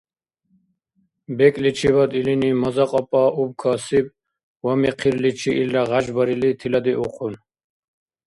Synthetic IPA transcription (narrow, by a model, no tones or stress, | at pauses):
bɛkʼlit͡ʃʰiβad̪ilinimɔzaqʼɔpʼaʔubkʰɔsib̚ | wamɛqʰiɾlit͡ʃʰiʔːlːaʁaʒbɔɾilit̪ʰilad̪iʔuqʼʰun